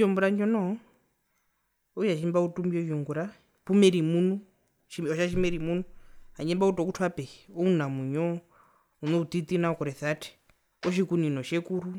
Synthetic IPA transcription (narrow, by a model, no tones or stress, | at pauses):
d͡ʒɔmbuɾand͡ʒɔnɔɔ | ujaʃimbautʼumbiɔʃɔŋɡuɾa | pumɛɾimunu | ʃiɔʃaʃ̬imɛɾimun̤uaɲɛmbautʼɔk̬utʰwapɛɔunamuɲɔ | unɔut̪it̪ʼinaɔkɔɾɛθatʰɛ̥ | ɔʃ̬ikuninɔʃɛkuɾu